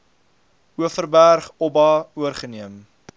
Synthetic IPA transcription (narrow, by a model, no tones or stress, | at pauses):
uəfərbærχɔbɑuərχəniəm